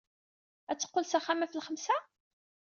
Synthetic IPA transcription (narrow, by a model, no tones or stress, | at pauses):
æt͡sːə̥qːolsæχæmæfəlχəmsæ